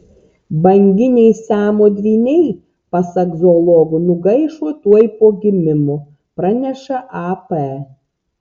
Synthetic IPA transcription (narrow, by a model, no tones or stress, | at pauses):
bɐŋʲɡʲɪnʲɛɪsæːmoːd̪ʲʋʲiːnʲɛɪ | pɐsɐɡzolˠɔɡʊnʊɡɐɪʃuɔt̪uɔjpoːɡʲɪmʲɪmo | pɾɐnʲɛʃɐʔapɛ